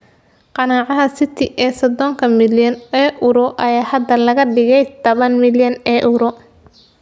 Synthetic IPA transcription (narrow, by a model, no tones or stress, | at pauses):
qɑnaːʕɑɦɐsɪt̪ʰɪʔɛːsɔd̪ɔŋkʰɐmɪljɐnɛːʔʊɾɔʔɐjaːhɐd̪ːɐlɐɣɐɖɪɣɛjt̪ʰɔβɐnmɪljɐnɛːʔʊɾɔ